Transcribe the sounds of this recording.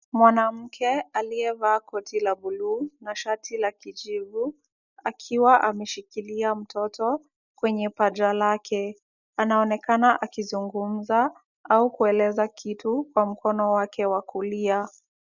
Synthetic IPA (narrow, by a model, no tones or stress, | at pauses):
mwanam̩kʰɛaliɛvaːkʰɔtʰilabulunaʃatʰilakiʄivu | akʰiwaʔamɛʃikiliam̩tʰɔtɔ | kwɛɲɛpad͡ʒalakʰɛ | anaɔnɛkanaʔakizuŋɡum̩za | aukuɛlɛzakʰitukwam̩kɔnɔwakʰɛwakulia